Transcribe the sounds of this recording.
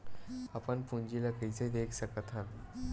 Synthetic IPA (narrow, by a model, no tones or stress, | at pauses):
apəɳpuɲd͡ʑilakəjt͡sed̪ekʰsəkət̪ʰan